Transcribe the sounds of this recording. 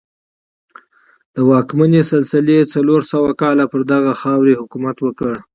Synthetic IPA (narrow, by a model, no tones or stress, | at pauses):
d̪̥əwɑkmanesalsɪlet͡saloɾsawakɑlapəɾd̪aɣaxɑwɾehʊkumat̪wəkəɽ